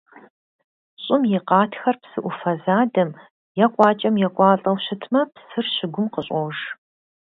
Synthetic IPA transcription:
ɕʼɪmjɪqɑːtʰxɐrpsɨʔʷʊfɐzaːdɐm | jɛqʷʼɑːt͡ʃʼɐmjɛkʷʼɑːɬʼɐwɕɪtʰmɐpsɨrɕɪɡʷʊmqəɕʼowʒ

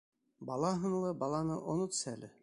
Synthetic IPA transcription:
bɑlˠɑɦɤ̆nlˠɤbɑlˠɑnɤʔonot̪sælɘ

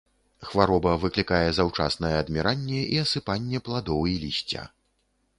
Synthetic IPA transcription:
xvaɾɔbɐvɨklʲikajɛzawt͡ʂa̰snɐjɛːd̪mʲɛɾanʲːɛʔiɐsɨpanʲːɛplˠad̪ɔwilʲisʲt͡sʲa̰

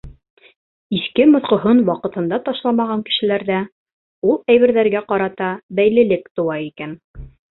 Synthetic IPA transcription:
iθkɘmŏθqɤ̆ɦonwɑqɤ̆t̪ɤ̆nd̪ɑt̪ɑʃlˠɑmɑʁɑŋkɘ̥̆ʃɘ̆læɾðæ | ulˠæjβɘ̆ɾðæɾɡæqɑɾɑt̪ɑbæjlɘ̆lɘkt̪ŏwɑikæn

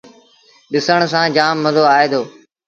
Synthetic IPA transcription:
ɗɪsəɽ̃sãːd͡ʒaːmːəzoːaːeːd̪oː

